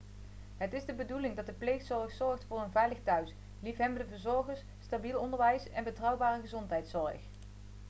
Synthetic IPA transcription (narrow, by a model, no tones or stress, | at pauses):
ɦətɪzdəbədulɪŋdɑt̚dəplejxsɔɹχsɔɹχtfʊːrənvɛjləχtœɥs | lifɦɛbəndəvəɹzɔɹχəɹs | stabilˠɔndəɹʋɛjsɛnbətrɑwbaːrəχəzɔntɦɛjtsɔɹəχ